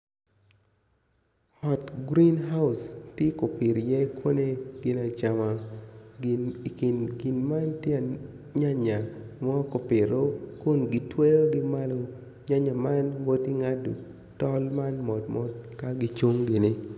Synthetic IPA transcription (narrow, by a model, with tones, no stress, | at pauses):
ɔ˨tɡɾi˦nɦa˦ʊ˨stje˦ko˨pɪ˨ɾjɛ˦kwo˦ne˦ɡ̥ɪ˦na˨t͡ʃa˨ma˨ | ki˨nɡɪ˨nma˦ntjɛ˦a˨ | ɲa˦ɲa˨mɔ˦ko˨pɪ˨ɾo˦kʊ˦nɡɪ˨twe˦jo˦ɡɪ˦ma˦lo˨ | ɲa˦ɲa˨ma˦nwo˦ti˦ŋa˦do̰˨ | tɔ˦lma˦nmɔ˨dmɔ˦tka˦ɡɪ˦t͡ʃo˦ŋɡɪ˨nɪ˦